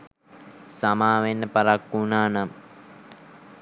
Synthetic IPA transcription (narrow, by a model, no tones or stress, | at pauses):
samaːʋenːəpaɾakːunaːnam